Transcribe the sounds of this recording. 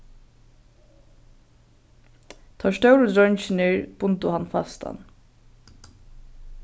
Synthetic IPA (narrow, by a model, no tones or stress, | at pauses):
t̪ʰaʂt̪œwɾəd̪ɾœnt͡ʃɪnɪɹb̥ʊnt̪ʊhanfa̰st̪ʰa̰n